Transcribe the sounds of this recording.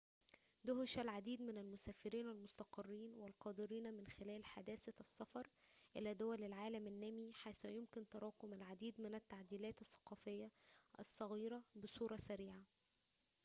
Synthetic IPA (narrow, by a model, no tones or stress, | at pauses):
d̪ʊhɪʃælʕad̪iːd̪mɪnælmʊsæːfɪɾiːnælmʊst̪ɑqɑrːiːnwælqɑːd̪ɪɾiːnmɪnxɪlæːlħad̪æːsæsːɑfɑɾˤ | ʔɪ̰læːd̪ʊwælɪlʕaːlæmɪnːæmiħajsujʊmkɪnt̪ɑɾˤɑːqʊmælʕad̪iːd̪mɪnæt̪ːaʕd̪iːlæːt̪ɑsːɑ̥qɑːfɪjːæʔɑ̰sˤːɑɣiːɾɑbɪsˤuːɾˤɑsæɾiːʕa